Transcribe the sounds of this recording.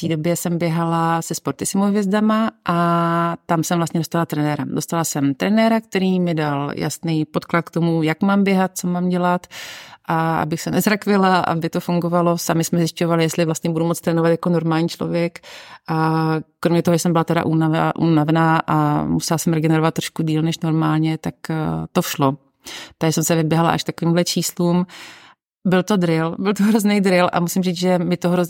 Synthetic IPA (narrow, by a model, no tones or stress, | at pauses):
t̪iːdo̞bjɛsɛmbjɛɦalasɛspoɾt̪ɪsɪmovjɛzdamaʔat̪amsɛmvlast̪ɲɛdost̪alat̪ɾɛnɛɾado̞st̪alasɛmt̪ɾɛnɛɾak̚t̪ɛɾiːmɪdalja̰snijpo̞t̪klat̪̚kt̪o̞mujakmaːmbjɛɦat̪̚t͡so̞maːmɟɛlat̪ʔaʔa̰bɪxsɛnɛzɾakvɪlaʔa̰bɪt̪ofuŋɡovalo̞samɪsmɛzjɪscovalɪjɛst̪lɪvlast̪ɲɛbudumo̞t͡st̪ɾɛːnovat̪jako̞no̞ɾmaːlɲiːt͡ʃlo̰vjɛkakɾomɲɛt̪oɦoʒɛsɛmbɪlat̪ɛɾa̰ʔunaʔṵnavɛnaːʔa̰musɛlasɛmɾɛɡɛnɛɾovat̪ːɾoʃkudiːlnɛʃno̞ɾmaːlɲɛt̪akt̪oʃlo | t̪asɛmsɛvɪbjɛɦala̰ʔa̰ʃkt̪akoviːmɦlɛt͡ʃʰiːsluːm | bɪlt̪o̞d̪ɾɪlbɪlt̪oɦɾoznɛjd̪ɾɪlʔa̰musɪmriːt͡sʒɛmɪt̪oɦɾoz